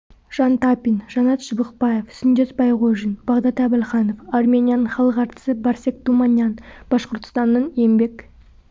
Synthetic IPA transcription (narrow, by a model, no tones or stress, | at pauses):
ʒ̥ɑnt̪ɑpʲinʒɑnɑt̪ʒəbəqpɑje̞fsʏnd̪esbɑjʁoʒənb̥ɑʁd̪ɑt̪æbɪlχɑno̞farmʲenʲijanəɴχɑlˠəqɑɾt̪ə̥səbɑɾse̞k̚t̪umɑnʲjɑnb̥ɑsqoɾt̪ə̥st̪ɑnːəne̞mbe̞k